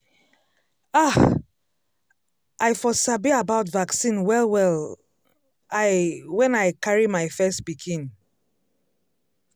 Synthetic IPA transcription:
a | ʔaɪfɔsabiabaʊtvaksĩnwɛlˠwɛl | aɪwɛ̃naɪkʰaɹimaɪfɛstbiɡʰĩn

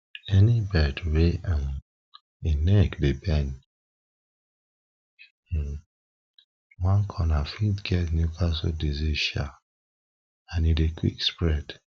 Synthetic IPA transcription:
ɛnibɛdweʔãn | enɛkdebɛ̃n | wãnkʰɔnafitɡ̥ɛtnjukʰasodiziʃa̰ | ãnidekʰwḭkspɹɛd̥

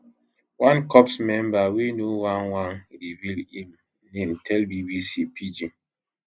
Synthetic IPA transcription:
wãnkɔpsmɛmbawinuwanwanɾivilĩm | nen̩tʰɛlbibisipʰid͡ʒi

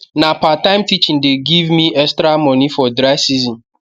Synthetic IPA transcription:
napatãɪ̃mtʰit͡ʃĩndeɡivmĩʔɛstɾamɔ̃nifɔdɾasizɔ̃n

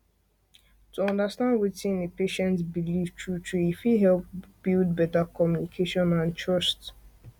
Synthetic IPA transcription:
tʰuɔ̃ndastãndwitĩnepeʃɛ̃ntbilivtʰɹutʰɹuifiɦɛlp̚b̥ild̚bɛtakʰɔmjunikʰeʃɔ̃nãntʰɹɔst

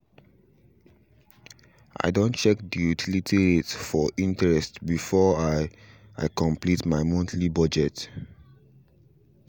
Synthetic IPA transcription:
ʔa̰ɪdõnt͡ʃɛk̚dijutʰilitʰiɹetfɔʔĩntɛɹɛstbifɔaɪ | a̰ɪkɔ̃mplitmaɪmɔ̃ntʰlibɔd͡ʒɛt

